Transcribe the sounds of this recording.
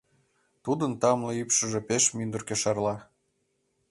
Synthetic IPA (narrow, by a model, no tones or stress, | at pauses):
t̪ud̪ənt̪ɑmlɤypʃə̆ʒĕpeʃmynd̪ərkeʃɑrlɑ